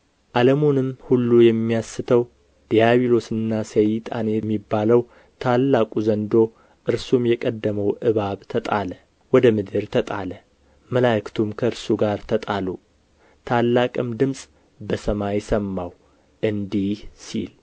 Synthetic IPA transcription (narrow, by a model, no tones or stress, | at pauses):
ʔaləmonɨmhulːujɛmːijasːɨt̪ʰəw | d̪̥ijaβilo̞sɨnːasəjt̪ʼa̰njɛmːibːaləw | t̪ʰalːakʼuzənd̪o̞ | ʔɨɾsumjɛkʼəd̪ːəməwʔɨβaβt̪ʰət̪ʼa̰lə | wɔd̪əmɨd̪ɨɾt̪ʰət̪ʼalə | məlakt̪ʰumkʰəɨɾsuɡaɾt̪ʰət̪ʼalu | t̪ʰalːakʼɨmd̪ɨmsʼ | bəsəmajsəmːaw | ʔɨnd̪ihsḭl